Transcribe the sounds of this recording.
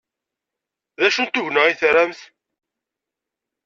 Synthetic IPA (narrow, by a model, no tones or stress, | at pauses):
ðæʃunt̪ʊʝnəiθɾæmθ